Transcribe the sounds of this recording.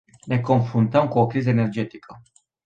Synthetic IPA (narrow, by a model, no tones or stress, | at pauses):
ne̞ko̞nfɾunt̪əmkuokɾizəene̞rd͡ʒe̞t̪ikʰə